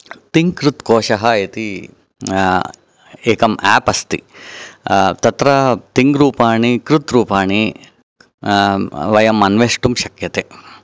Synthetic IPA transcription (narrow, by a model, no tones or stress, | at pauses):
t̪iŋɡkɾut̪koːʃɐɦɐet̪i | eːkɐmɛːpɐst̪ḭ | t̪ɐt̪ɾɐt̪iŋɡɾuːpaːɳikɾut̪ɾuːpaːɳi | ʋɐjɐmːɐnʋeːʂʈumʃɐkjɐt̪eː